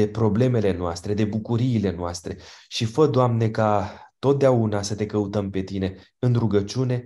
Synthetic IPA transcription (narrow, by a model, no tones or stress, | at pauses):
epɾo̞ble̞me̞le̞noast̪ɾe̞d̪e̞bukuɾiːle̞noast̪ɾe̞ʃifəd̪oamne̞kat̪o̞t̪̚d̪eaunasət̪e̞kəut̪əmpe̞t̪ine̞ | ɨnɾuɡət͡ʃune̞